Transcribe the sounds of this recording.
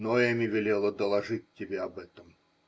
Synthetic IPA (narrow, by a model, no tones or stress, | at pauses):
nojɛmʲɪvʲɪlʲelˠəd̪əlˠɐʐɨtʲːɪbʲeɐbɛt̪əm